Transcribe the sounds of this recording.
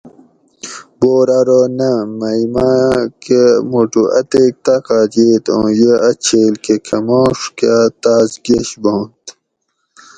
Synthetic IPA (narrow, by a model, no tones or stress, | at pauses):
boːɾaɾonɐmɐjmãkemuʈuʔɐ̰t̪ek̚t̪akaːd͡ʑeːt̪õ̰ːjeɐt͡ɕʰeːlkekʰɐmõːʂkat̪aːzɡeɕbõːnt̪